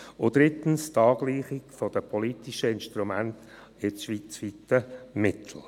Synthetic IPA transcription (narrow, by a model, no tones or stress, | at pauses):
ʊd̪̥ɾɪt̪ən̩st̪ɑːɡliːχɪkfɔd̥̪əpʰɔlit̪iʃəɪnʃt̪ɾumænt | ɪʃʋit͡sviːtəmɪt̪ʰl̩ˠ